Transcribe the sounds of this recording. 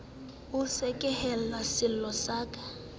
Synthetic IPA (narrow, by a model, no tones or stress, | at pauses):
ʊsɛkʼɛhɛllasɪl̩lɔsaːkʼḁ